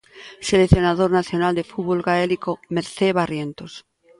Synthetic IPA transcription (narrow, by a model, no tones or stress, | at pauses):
seleθjo̞naðoɾnaθjonald̪e̞fut̪βolɣaelikomeɾθeβarjent̪os